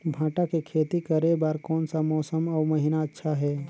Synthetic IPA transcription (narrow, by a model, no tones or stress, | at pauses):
bʱãːʈakekʰeːt̪ikəɾebaːɾkɔːnsamɔːsəmɔːɾməɦɪnaətːʃʰaɦɛː